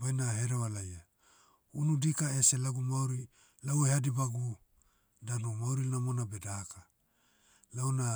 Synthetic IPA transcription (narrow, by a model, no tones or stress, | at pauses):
bajnaɦeɾewalaja | unudikaeselaɡumawɾi | laweadibaɡu | danomawɾinamo̞nabedaaka | lawna